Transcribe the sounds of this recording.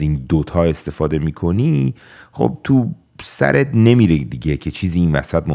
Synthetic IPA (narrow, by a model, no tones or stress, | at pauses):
iːnd̪ot̪ʰɒːe̞st̪e̞fɒːd̪e̞miːkʰo̞niː | χo̰b̚t̪ʰu | sæ̰ɾʔet̪ne̞miːɾed̪iɟecʰe̞t͡ʃʰiːziːnvæ̰sæd̪̚mo